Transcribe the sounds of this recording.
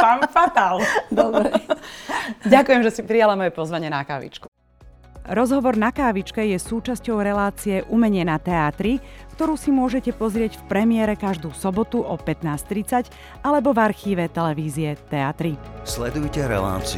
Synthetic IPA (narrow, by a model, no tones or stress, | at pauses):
pamfat̪ald̪ɔbɾɛ | ɟakujɛmʒɛsipɾijalamɔjɛpɔzʋaɲɪɛnaka̰ːʋḭt͡ʃku̥ | ɾɔzɦɔʋɔɾnakaːʋit͡ʃkɛjɛsuːt͡ʃascɔʊɾɛlaːt͡sijɛʔumɛɲɪɛnat̪ɛaːt̪ɾikt̪ɔɾuːsimʊɔʒɛcɛpɔzɾɪɛɟfpɾɛmɪɛɾɛkaʒd̪uːsɔbɔt̪uʔɔpɛt̪naːst̪ɾit͡sac | alɛbɔvaɾxiːʋɛt̪ɛlɛʋiːziɛt̪ɛat̪ɾislɛd̪ujcɛɾɛ̰la̰ːt͡si